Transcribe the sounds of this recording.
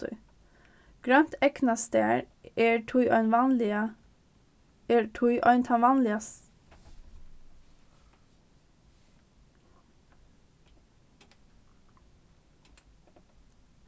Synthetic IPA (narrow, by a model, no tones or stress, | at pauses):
ɡ̥ɾœnt̪ʰɛknɑst̪eːɾ | eːʈʰuʏʔœʏnʋɑnlɪə | eːʈʰuʏʔœʏnt̪ʰɑnʋɑːnlɪəs